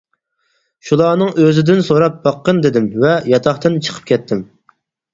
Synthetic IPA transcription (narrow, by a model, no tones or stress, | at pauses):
ʃulˠɑːnɨŋʔøzɪd̪ɪnsoɾɑp̚bɑqːənd̪ɪd̪ɪmvɛjɑt̪ʰɑχt̪ɨnt͡ʃʰə̥qʰə̥p̚kʲʰɛt̪ʰːɪm